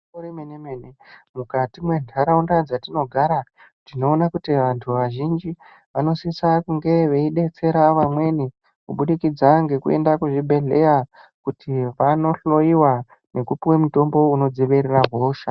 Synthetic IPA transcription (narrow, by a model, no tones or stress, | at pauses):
oɾemenemenemukatimwe̞ntʰaɾaundad͡zatino̞ɡʱaɾa | tino̞ːnakutiʋantʰuʋaʒind͡ʒi | ʋano̞sisakuŋɡe̞ʋe̞iɗe̞t͡se̞ɾaʋamwe̞ni | kuɓuɗikid͡zaŋɡe̞kue̞̰ndakuʐibʱe̞ɮe̞ja | kutiʋano̞ɬo̞jiwa | nekupiwe̞muto̞mbo̞uno̞d͡ziʋeɾeraɦoːʃa